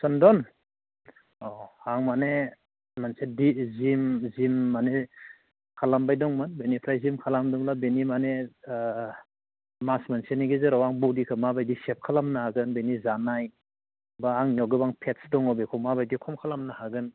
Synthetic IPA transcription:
sɔndɔn | ɔhaŋmane | mansedizimzimːane | kʰalambajdɔŋmɯnbenipʰɾajzimkʰalamdɔŋlabenimane | masmanseniɡizɯɾawaŋbɔdikʰɯmabajdisep̚kʰalamnahaɡɯnbenizanaj | baaŋnɔɡɯbaŋpʰet̚sdɔŋɔbekʰɔmabajdikʰɔmkʰalamnahaɡɯn

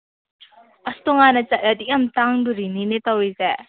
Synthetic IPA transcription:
ʔɐst̪ɔŋanɐt͡ʃat̚ɾad̪ik̚ɐmt̪aŋd̪uɾininet̪awɾize

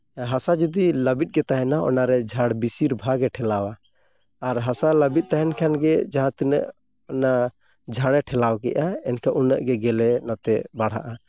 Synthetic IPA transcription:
ɦasad͡ʒɔd̪iləbit̪̚ɡɛt̪aɦɛnaɔ̰naɾɛd͡ʒʱaɽbisiɾbʱaɡɛʈʰɛlawaː | ɾɦasaləbit̪̚ˀt̪aɦɛnkʰanɡɛd͡ʒaɦãt̪inə̰ʔ | ɔna | d͡ʒʱaɽɛʈʰɛlawkɛ̰ʔaɛnkʰaʔunəʔɡɛɡɛlɛnɔt̪ɛbaɽ̤ɦa̰ʔa

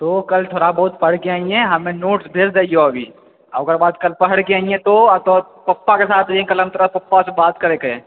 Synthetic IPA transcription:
t̪okɐlt̪ʰoːɽabɔɦʊt̪̚pɐɽkeaːĩɛ̃ɦɐmẽnoːʈsbʱeːɾd̪aːioɐbʱḭː | ɐɐɡəɾbaːd̪̚kɐlpɐɦəɽkeaːĩɛ̃t̪oɐt̪ɔː | pɐpːakesaːt̪ʰɐiẽkɐlɦɐmt̪ɐɾəapɐpːasebaːt̪kɐɾekɐẽː

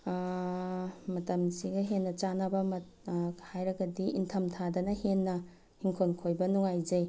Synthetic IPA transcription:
mɐtɐmsiɡɐɦenːɐt͡ʃanɐbɐmɐ | hajɾɐɡɐdiintʰɐmtʰadɐnɐhenːɐ | hiŋkʰonkʰojbɐnuŋajd͡ʒɐj

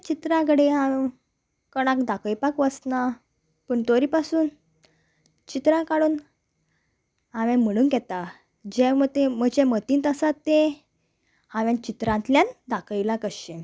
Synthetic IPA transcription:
t͡ɕit̪ɾãkɽẽaʋe | kəɽ̃ãkd̪akəjpakʋəsna | pəɳt̪oɾipasuːn | t͡ɕit̪ɾãkaɽuːn | aʋɛ̃m̤əɽ̃uːnɡɛt̪a | d͡ʑɛmət̪emət͡ɕɛ̃mət̪iːnt̪əsat̪ːẽ | ãʋjãnt͡ɕit̪ɾãnt̪ljãnd̪akəjlakəɕẽ

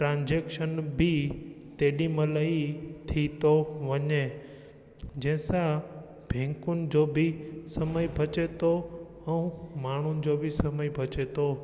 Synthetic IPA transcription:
ʈɾãːnd͡ʑeːkʃənbʱɪ | t̪eːɗimɐlait̪ʰit̪oʋɐɲe | d͡ʑɛ̃ːɪ̃sã | bʱẽːŋkʊnɪ̆d͡ʑoːbɪsɐməibʱɐt͡ʃet̪ʰo | ɛ̃ũmaːɳ̤ʊnɪ̆d͡ʑoːbʱɪsɐməibʱɐt͡ɕet̪ʰo

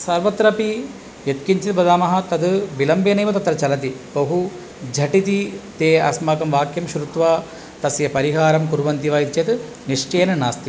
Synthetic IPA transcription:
sɐɾʋɐt̪ɾɐpi | jet̪kiɲt͡ʃit̪bɐd̪aːmɐɦɐ̆t̪ɐd̪bilɐmbenɐjmɐt̪ɐt̪ːɾɐt͡ʃɐlɐt̪̬ibɐɦu | d͡ʒʱɐʈit̪it̪eːɐ̰smaːkɐmʋaːkjɐmʃɾut̪ʋaː | t̪ɐsjɐpɐɾiɦaːɾɐmkuɾʋɐnt̪iʋaːjit̪t͡ʃjɐt̪ | niʂt͡ʃeːnɐnaːst̪i

